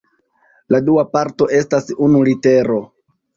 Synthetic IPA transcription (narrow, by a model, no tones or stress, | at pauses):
laduapaɾto̞ʔe̞stasunulite̞ɾo̞